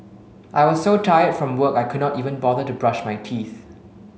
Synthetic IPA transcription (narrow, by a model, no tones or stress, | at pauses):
ʔajwɔssotʰajədfɹɔ̃mwəkajkʰud̚ⁿnɔtivə̃nbɔðətubɹaʃmajtʰiθ